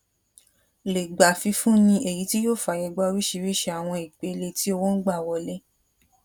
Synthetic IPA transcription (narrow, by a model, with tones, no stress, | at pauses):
le˨ɡ͡ba˨fi˧fũ˦nĩ˧e˨ji˨˦ti˦jo˦˨fa˨jɛ˧˨ɡ͡bɔ˧˦˧ɾi˦ʃi˧ɾi˦ʃe˧a˨w̃ɔ̃˧i˨k͡pe˨˧le˧ti˦o˧wo˦n̩˦ɡ͡ba˦˨wɔ˧le˦